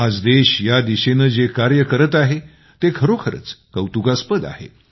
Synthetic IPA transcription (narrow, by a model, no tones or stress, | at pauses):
ad͡zd̪eɕjad̪iɕenəːd͡zekaɾjəkəɾət̪aɦe | t̪ekʰəɾokʰəɾə̰t͡skəwt̪ukaspəd̪a̰hḛ